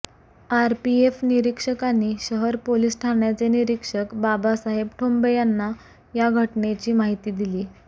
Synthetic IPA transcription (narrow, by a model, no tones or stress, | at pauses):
aɾpiefniɾikʂəkanːiːɕəɦəɾpolisʈʰaɳjat͡seniɾikʂəkbabasaɦebʈʰombəjanːa | jaɡʱəʈnet͡ɕiːmaɦit̪iːd̪iliː